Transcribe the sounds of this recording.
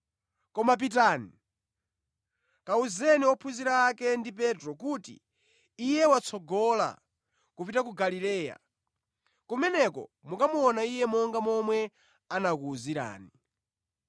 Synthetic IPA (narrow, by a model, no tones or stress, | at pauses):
kɔmap̬itaːni | kauzɛniɔpʰuziɾaːkɛndip̬ɛtɾɔk̬utḭː | jɛwat͡sʰɔɡɔla̰ | kupitak̬uɡalilɛːja̰ | kumɛnɛkɔ̰mukamuɔnaijɛmɔŋɡamɔmwɛ | anakuːziɾa̰ːni